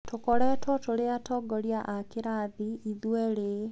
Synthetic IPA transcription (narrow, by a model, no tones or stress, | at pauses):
tokɔɾɛtwɔtoɾeatɔɡɔɾjaʔakeɾaðiiðwɛɾe